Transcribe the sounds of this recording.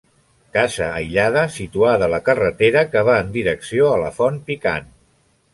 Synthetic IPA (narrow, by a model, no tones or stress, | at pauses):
kazəːjʎað̞əsit̪uaðələkərət̪eɾəkəβ̞aənd̪iɾəksioələfɔnpika̰n